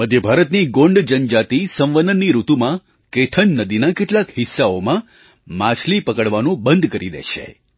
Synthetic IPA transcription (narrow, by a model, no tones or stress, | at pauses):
məd̪ʱjəbʱaɾət̪niɡõɳɖd͡ʒənd͡ʒat̪isə̃ʋʋənd̪ənːiɾut̪umã | keʈʰənːəd̪inakeʈlakɦɪsːaomã | mãt͡ʃʰlipəkəɽʋanũbənd̪ʱkəɾid̪ḛʃḛ